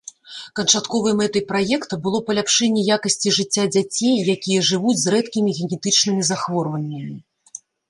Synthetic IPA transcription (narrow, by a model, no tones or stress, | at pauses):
kɐnt͡ʂat̪kɔvɨmɛt̪ɨjpɾajɛkt̪ɐbɨlˠɔpɐlʲapʂɛnʲːɛjakɐsʲt͡sʲiʐɨt͡sʲːad͡zʲat͡sʲejːakʲijɛʐɨvud͡zʲzrɛt̪kʲimʲiɣʲɛnʲɛt̪ɨt͡ʂnɨmʲizaxvɔrvɐnʲːɐmʲi